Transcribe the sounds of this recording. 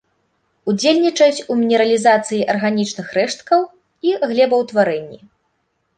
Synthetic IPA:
ud͡zʲelʲnʲit͡ʂɐjut͡sʲumʲinʲɛɾɐlʲizat̪sɨjiʔɐrɣanʲit͡ʂnɨxrɛʂt̪̚kɐw | iɣlʲɛbɐwt̪vaɾɛnʲːḭ

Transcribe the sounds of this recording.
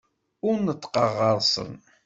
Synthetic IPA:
ʊɾnət̪ːqɑʁːɑðˤsˤə̰n

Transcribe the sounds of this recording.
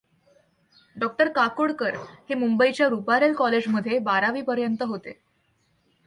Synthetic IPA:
ɖɔk̚ʈəɾkakoɽkəɾhemumbəit͡ɕjaɾupaɾelkɔled͡zməd̪ʱːjebaɾaʋiːpəɾjənt̪əɦot̪e

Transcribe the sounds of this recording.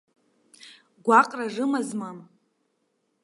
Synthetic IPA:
ɡʷaqʼraʐɨmazmam

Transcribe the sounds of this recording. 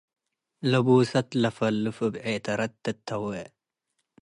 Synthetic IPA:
lɐbuːsɐt̪lɐfɐlːɨfɨbʕet̪ɐɾɐt̪ːɐt̪ʰːɐwɛ

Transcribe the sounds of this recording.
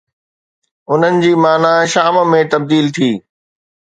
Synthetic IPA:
ʊn̤ənɪ̆d͡ʑiːmaːnaʃaːmmẽt̪ɐb̚d̪iːlt̪ʰiː

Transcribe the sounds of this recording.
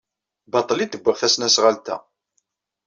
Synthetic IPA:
bɑt̪ˤːlit̪ːəɡʷːəʁθæsnæsʁalt̪æ̰

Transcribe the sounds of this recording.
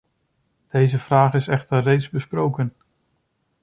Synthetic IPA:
d̥ejzəv̥raːχɪsɛχtərrejtzbəsprowkən

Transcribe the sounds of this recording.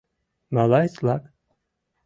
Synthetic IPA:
malaslak

